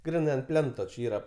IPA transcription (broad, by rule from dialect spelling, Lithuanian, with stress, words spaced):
ˈɡrʲɪnɐɪ ɐnt ˈpʲlʲɛntoː t͡ʃʲɪ ˈiːrɐ